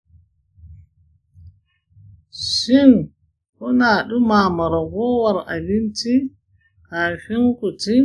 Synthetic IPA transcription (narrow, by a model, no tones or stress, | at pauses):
ʃin | kɔnaɗumaːmaɾaɡɔːwaɾa̰linti | kaːfiŋkɔti